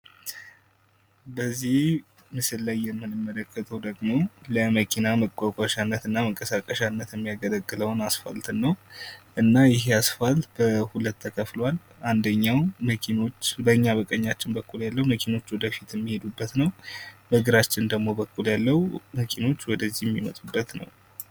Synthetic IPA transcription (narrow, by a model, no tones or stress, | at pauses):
bəzːih | mɨsɨlːəjːɛmːɨnɨmːələkːət̪ʰəwd̪əɡmo̞ləməkʰinaməkʷʼːakʼaʃanːət̪ɨnːaməŋkʼəsakʼəʃanːət̪jɛmːijaɡələɡːɨləwnasfa̰lt̪ʰɨnːəwʔɨnːajɪɦeasfalt̪bəhulət̪ʰːəkʰəflwal | and̪əɲːawməkʰino̞t͡ʃːbəɨɲːaβəkʼəɲːat͡ʃːɪnbəkʼːuljalːəhuməkʰino̞t͡ʃːwɔd̪əfit̪jɛmːihe̞d̪ubːət̪nəwmɨɡɨɾat͡ʃːɪnd̪əɡmo̞bəkʼːuljalːəhuməkʰino̞t͡ʃːwɔd̪əzːihjɛmːimə̰t̪ʼubːət̪nə̰w